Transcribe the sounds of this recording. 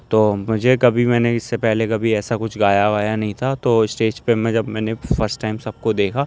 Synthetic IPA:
t̪oːmʊd͡ʒʱekɐbʱimɛːneɪsːepɛɦlekɐbʱiɛːsakʊt͡ʃʰɡaːjaʋaːjanɐɦĩt̪ʰat̪oːɪsʈeːd͡ʒpemɛ̃d͡ʒɐbmɛ̃ːnefɐɾsʈːaːɪmsɐb̚kod̪eːkʰa

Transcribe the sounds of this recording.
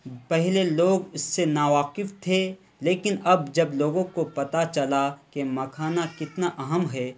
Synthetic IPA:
pɛɦleloːɡʊsːenaːʋaːqɪft̪ʰe | leːkɪnɐbd͡ʒɐbloːɡõkopɐt̪at͡ʃɐlakemɐkʰaːnakɪt̪naʔɐɦəmɦɛː

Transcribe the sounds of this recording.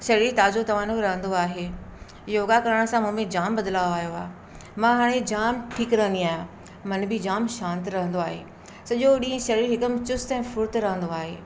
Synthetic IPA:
ʃɐɾit̪aːzot̪ɐʋ̤aːnoɾɐɦə̃nd̪oaːɦeː | joːɡakɐɾəɽ̃̆sãmũmẽd͡ʑaːmbɐd̪ɪlaːjoaːɦjoa̰ːɦ | mãɦaːɽ̃ed͡ʑaːmʈʰiːkɾɐɦə̃nd̪iaːɦijã | mɐnbɪd͡ʑaːmʃãːnt̪ɾɐɦə̃nd̪oaːɦḛː | sɐʄoɗĩːẽʃɐɾiɾɦɪkəmɪt͡ɕʊst̪ɛ̃ːfʊɾt̪ɾɐɦə̃nd̪oaːɦeː

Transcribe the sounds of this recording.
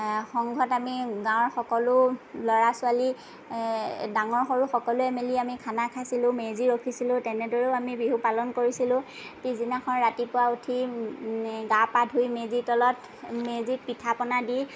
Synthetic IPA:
xɔŋɡʱɔtamiɡãɔ̃ɹxɔkɔlʊlɔɹasʊali | daŋɔɹxoɹuxɔkɔlʊɛmeliamikʰanakʰasilʊ̃meziɹokʰisilʊ̃tɛnɛdɔɹeʊamibiɦupalɔnkoɹisilʊ̃ | pizinakʰɔnɹatipʊautʰi | ɡapadʱujmezitɔlɔt | mezit̚pitʰapɔnadi

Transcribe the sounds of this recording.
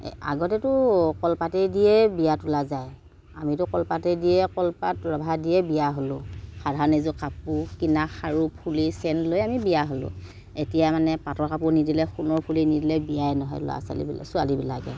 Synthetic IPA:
a̰ɡɔtɛtʊkɔlpatɛdijɛbijatulazaj | a̰mitʊkɔlpatɛdijɛkɔlpatɹɔbʱadiɛbijaɦolʊxadʱaɹɔnezʊkapukinaxaɹupʰulisɛntlojamibijaɦolʊ̰̃ | etijamanɛpatɔɹkapunidilɛxunɔɹpʰulinidilɛbijajɛnɔɦɔ̰jl̰a̰sa̰lḭbila̰sʊalibilakɛ̰

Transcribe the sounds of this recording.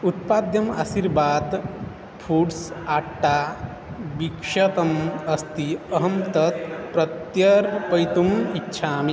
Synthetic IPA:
ut̪̚paːd̪jɐma̰siɾbaːd̪ | pʰuːɖsaːʈːaː | bikʂɐt̪ɐmɐst̪iɐɦɐmt̪ɐt̪̚pɾɐt̪jɐɾpɐjt̪umitːʃʰaːmi

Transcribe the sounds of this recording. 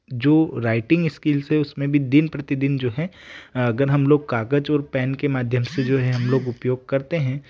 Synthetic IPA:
d͡ʒoːɾaːɪʈɪ̃ŋɡɪskiːlsɦɛʊsmẽbʱid̪ɪnpɾɐt̪ɪd̪ɪnd͡ʒoːɦɛɐɡəɾɦɐmloːɡ̚kaːɡəd͡ʒɔːɾpɛːnkemaːd̪ʱjəmsed͡ʒoːɦɛɦɐmloːɡʊpjoːɡ̚kɐɾt̪eɦɛ̃ː

